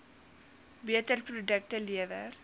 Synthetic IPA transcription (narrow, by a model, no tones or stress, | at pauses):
biətərprodək̚təliəvər